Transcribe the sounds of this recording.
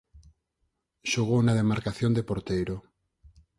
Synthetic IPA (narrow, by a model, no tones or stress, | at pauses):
ʃoɣownaðemaɾkaθjond̪epoɾt̪ejɾo